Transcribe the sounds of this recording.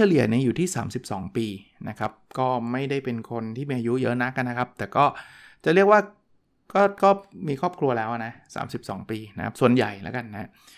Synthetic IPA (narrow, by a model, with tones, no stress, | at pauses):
t͡ɕʰa˧li˨˩ə˩ni˦˥juː˨˩t̪ʰiː˥˩saː˩˦msi˨˩p̚sɔː˩˦ŋpiː˧na̰˦˥kʰa˦˥p̚kɔː˥˩ma˥˩jda˥˩jpe˧nkʰo˧nt̪ʰiː˥˩miː˧ʔaː˧ju˦˥jɤ˦˥na˦˥kːa˧nːa˦˥kʰa˦˥p̚t̪ɛː˨˩kɔː˥˩ | t͡ɕa˨˩ɾi˥˩ək̚waː˥˩ | kɔː˥˩kɔː˥˩miː˧kʰɔː˥˩p̚kʰɾu˧ɐlɛː˦˥wa˨˩na˦˥sa̰ː˩˦msi˨˩p̚sɔː˩˦ŋpiː˧na˦˥kʰa̰˦˥p̚su˨˩ənja˨˩jlɛ̰˦˥ka˧nːa˦a˦˥